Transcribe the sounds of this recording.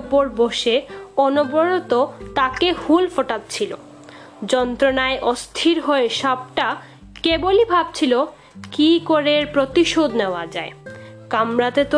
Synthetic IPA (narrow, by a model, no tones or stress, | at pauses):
poɾboʃeɔnoboɾot̪ot̪akehulfoʈat̪̚t͡ɕʰilo̰ | d͡ʑɔnt̪ɾonaeʔɔst̪ʰiɾɦoeʃɔb̚ʈa | kebolibʱab̚t͡ɕʰilo | kikoɾeɾpɾot̪iʃod̪neoad͡ʑae | kamɾat̪et̪o